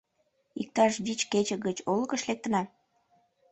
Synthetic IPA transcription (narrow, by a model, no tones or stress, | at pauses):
ik̚t̪ɑʃβit͡ɕket͡ɕəɣət͡ɕolɣəʃlek̚t̪ənɑ